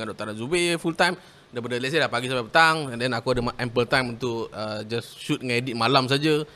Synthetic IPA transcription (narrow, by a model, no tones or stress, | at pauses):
ŋandɔʔt̪anazubefult̪ajm | daip̬adəlɛʔsalahpaɡisamapət̪aŋdɛnakuadəmaʔɛmpəlt̪ajmunt̪ʊʔəd͡ʒasʃut̪̚ŋedit̪̚malams̬ad͡ʒə